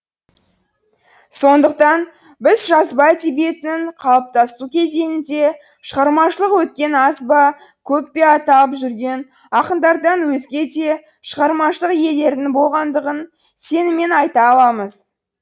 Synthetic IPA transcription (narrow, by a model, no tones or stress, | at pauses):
so̞nd̪əq̚t̪ɑn | bɪzʒɑzbɑt̪ibe̞t̪ɪnɪɴqʰɑlˠɑp̚t̪ɑst̪ukʲʰe̞zenɪnd̪e̞ | ʃəʁɑɾmɑʃəlˠəqwɵt̪̚kʲe̞nɑsbɑ | kʲʰɵp̚pe̞ɑt̪ɑəpʒʏɾɡʲe̞n | ɑqənd̪ɑɾd̪ɑnwɵzɡʲe̞d̪e̞ | ʃəʁɑɾmɑʃəlˠəqje̞le̞ɾd̪ɪŋbo̞lˠʁɑnd̪əʁən | se̞nɪme̞nɑjt̪ɑːlˠɑməz